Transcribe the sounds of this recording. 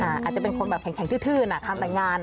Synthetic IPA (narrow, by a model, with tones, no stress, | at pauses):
ʔaː˧˩ʔaː˨˩t͡ɕa˨˩pe˧nkʰo˧nbɛː˨p̚kʰɛ˩˦ŋkʰɛː˨˩˦ŋt̪ɯː˥˩t̪ʰɯː˥˩na˧˩t̪ʰa˧mɾaː˧jŋaː˧n